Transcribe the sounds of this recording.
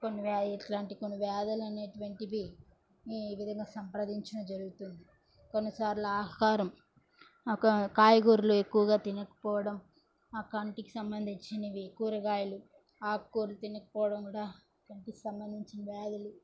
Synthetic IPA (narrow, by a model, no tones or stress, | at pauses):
konːiʋeʈlaːɳʈikonːiʋɛːd̪ɐlɐne̞ːʈuʋɐɳʈiʋi | ʋid̪ʱɐŋɡaːsɐmpɾɐd̪iɲt͡ʃinɐd͡ʒɐɾuɡut̪und̪i | ko̞nːɐsaːɾlaːɦɐkaːɾɐm | kɐkaːjɐɡuːɾuluekːuʋɐɡaːt̪inɐkɐ̥pɔːʋɐɽɐm | aːkɐɳʈiki̥sɐmbɐnd̪ʱiɲt͡ʃinɐʋkːuɐɾɐɡaːjɐlu | aːkːoːɾlut̪inɐkɐ̥pɔːʋɐɽɐmkuːɽaː | kɐɳʈiki̥sɐmbɐnd̪ʱiɲt͡ʃinɐʋɛːd̪ɐlu